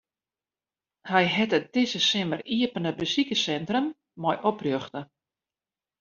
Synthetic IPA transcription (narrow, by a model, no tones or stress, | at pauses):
hɛjɦɛtət̚d̥ɪsəsɪməriəpənəbəsikəsɛntrəmː | ɔjʔɔprjøxtə